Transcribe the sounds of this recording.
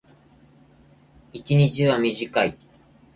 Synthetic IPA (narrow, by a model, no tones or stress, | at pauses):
it͡ɕiɲ̟it͡ɕiβamʲiʑikai